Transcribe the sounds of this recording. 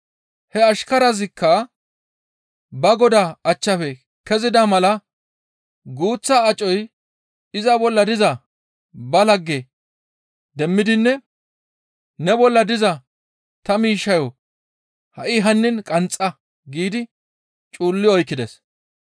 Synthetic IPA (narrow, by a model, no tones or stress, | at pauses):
hɛɐʃkɐɾɐzɪkːɐ | bɐɡɔd̪aɐt͡ʃːɐfɛ | kɛzɪd̪ɐmɐlɐ | ɡuːt͡sːɐːt͡ʃʼɔj | ɪzɐbɔlːɐd̪ɪzɐ | bɐlɐɡːɛ | d̪ɛmːɪd̪ɪnːɛ | nɛbɔlːɐd̪ɪzɐ | t̪ɐmiːʃːɐjɔ | hɐʔɪɦɐnːɪnkʼɐnt͡sʼːɐ | ɡiːd̪ɪ | t͡ʃʼuːlːɪɔjkːɪd̪ɛs